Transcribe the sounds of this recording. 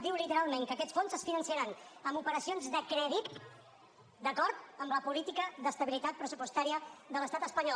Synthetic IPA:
d̪iwlit̪əɾalˠmeŋkəkɛt̪sfonzəsfinənsiəɾanəmupəɾəsionzðəkɾɛðit̪ | d̪əkɔɾt̪əmləpulit̪ikəðəst̪əβilit̪at̪̚pɾəsupuəst̪aɾiəðələst̪at̪əspəɲɔ

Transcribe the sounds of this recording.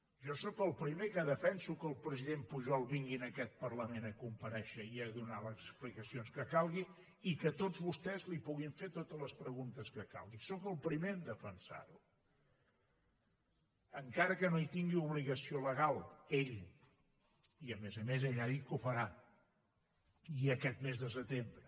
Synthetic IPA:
ʒɔsɔkəlˠpɾimekəðəfɛnsukəːlˠpɾəziðempuʒɔlˠβiŋɡinəkɛt̪̚pərləmenəkumpəɾɛʃəiəðunaləsəsplikəsionskəkalˠɣi | ikət̪od͡zβust̪ɛzlipuɣiɱfet̪ot̪ələspɾəɣunt̪əskəka̰lˠɣisɔkəlˠpɾimeəmd̪əfənsa̰ɾu | əŋkaɾəkənoit̪iŋɡiuβliɣəsioləɣalˠeʎ | iəmezəmezeʎaðikufəɾa | iəkɛt̪̚mezðəsət̪embɾə

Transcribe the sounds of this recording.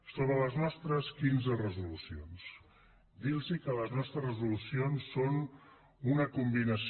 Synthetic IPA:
soβɾələznɔst̪ɾəskinzərəzulusions | d̪ilzikələznɔst̪ɾəzrəzulusionsːon | unəkumbinəs

